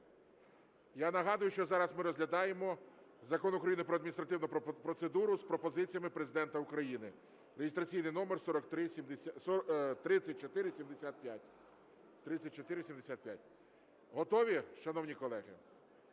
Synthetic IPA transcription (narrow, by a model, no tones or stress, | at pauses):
janɐɦɑd̪ʊjʊʃt͡ʃɔzɑɾɐzmɪɾɔzʲlʲɐd̪ɑjemɔzɐkɔnʊkɾɐjinɪpɾɔɐd̪mʲnʲist̪ɾɐt̪ɪwnʊpɾɔt̪sed̪uɾʊspɾɔpɔzɪt͡sʲijɐmɪpɾezɪd̪ɛnt̪ɐʊkɾɐjinɪ | ɾeɦɪst̪ɾɐt͡sʲijnɪjnɔmɛrsɔɾɔkt̪ɾɪsʲimd̪ʲ | t̪ɾɪt͡sʲɐt̚ʲt͡ʃɔt̪ɪɾɪsʲimd̪esʲat̪̚pʲja̰tʲ | t̪ɾɪt͡sʲːɐt̚ʲt͡ʃɔt̪ɪɾɪsʲimd̪esʲat̪̚pʲja̰tʲ | ɦɔt̪ɔʋʲiʃɐnɔwnʲikɔlˠɛɦɪ̰